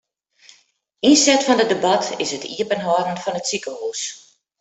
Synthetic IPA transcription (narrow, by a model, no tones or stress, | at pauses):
insɛtfɔndədebɑtʰɪsətḭəpənɦɔɾn̩fɔnətsikəhuːs